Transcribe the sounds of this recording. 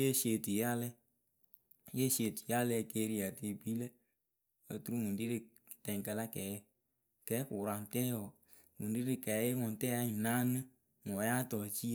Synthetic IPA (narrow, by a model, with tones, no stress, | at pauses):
je˦se˨ti˨ja˦lɛ˦ | je˦se˨ti̥˨ja˦lɛ˧˨ke˧˦ɾi˦ja˨te˨bi˦le˦ | ə˨tu˦ɾu˦ŋu˨ndi˦ɾi˧˨ | tɛ˨ŋkə˨la˦kɛ˨˦ | kɛː˨˦ku˨ɾa˨n˨tɛ˦jɔ˨ | ŋu˨ndi˦ɾi˨˧kɛ˨˦je˦ŋɔ˨n˨tɛ˦a˦˨na˦nɨ˦ | mɔ˨ja˦tɔ˨t͡ʃi˦